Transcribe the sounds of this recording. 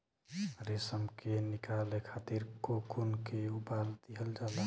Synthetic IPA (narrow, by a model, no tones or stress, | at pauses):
ɾesəmkenikalekʰaːt̪iɾkokunkeubald̪iɦəld͡ʒaːla